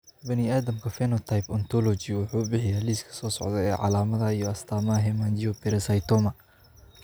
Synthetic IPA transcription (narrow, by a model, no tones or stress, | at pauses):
bɐniaːd̪ɐmkʰɐfɛnɔt̪ʰɐjpɔnt̪ʰɔlɔt͡ʃiwʊħuːbɪħɪjaːliːskʰɐ̥sɔːsɔ̰ʕd̪ɛɛːʕɑ̰laːmɐðɐijɔɐst̪ʰaːmɐɦɛmaːnd͡ʒiɔpɛɾɛsɐjt̪ɔmɐ